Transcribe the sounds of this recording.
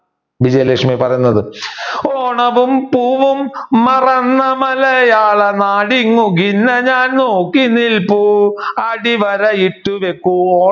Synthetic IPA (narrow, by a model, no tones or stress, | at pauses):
ʋid͡ʑɐjɐleːkʂmipɐrɐjunːɐðɨoːɳɐʋumpuːʋumːɐrɐnːɐmɐlɐjaːɭɐnaːɽiŋːuɡinːɐɲaːnnoːkːinilpuɐɽiʋɐɾɐiʈːuʋekːuo